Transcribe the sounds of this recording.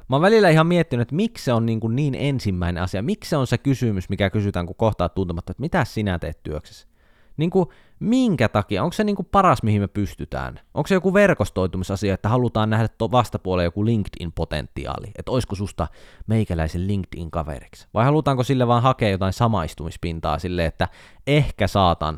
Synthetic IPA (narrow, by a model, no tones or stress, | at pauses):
ʋɑʋʋælilːæihɑmmiet̪ːinyet̪miksseonniːŋkunniːnensimːæinḛɑsiɑmiksseonsekysymysmikækysyt̪æːŋkukoht̪ɑːt̪ːunt̪emɑt̪ːoet̪mit̪æssinæt̪ḛːt̪t̪yøkse̥s | niːŋku | miŋkæt̪ɑkiɑoŋkseniːŋkupɑrɑsmihimepyst̪yt̪æ̰ːnʔo̰ŋksejokuʋerkost̪oˑit̪umisɑsiɑet̪ːæhɑlut̪ɑːnnæhdæt̪oʋɑst̪ɑpuolejokuliŋkt̪ḭnpot̪ḛnt̪ːḭɑ̰ːlḭet̪oiskosust̪ɑmeikælæiselliŋkt̪ḭŋkɑʋḛriksʋɑihɑlut̪ɑːŋkosilːeʋɑːnhɑkeːjot̪ɑˑinsɑmɑist̪umispint̪ɑ̰ːsilːeːet̪ːæehkæsɑːt̪ɑ̰ːn